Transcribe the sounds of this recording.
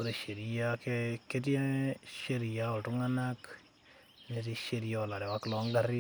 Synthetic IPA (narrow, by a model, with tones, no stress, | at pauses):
o˦ɾe˨ʃe˨ɾijakeke˦te˦ʃe˦ɾi˨jao˨tu˦ŋa˦nak | ne˨ti˦ʃeɾijala˨ɾɛ˨wa˦klɔ˨ŋɡaɾi˦